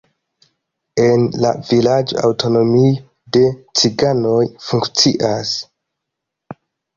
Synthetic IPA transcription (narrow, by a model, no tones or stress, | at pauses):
e̞nla̰vilad͡ʒoa̰wto̞no̞mi | de̞t͡siɡano̞jfuŋkt͡siʔas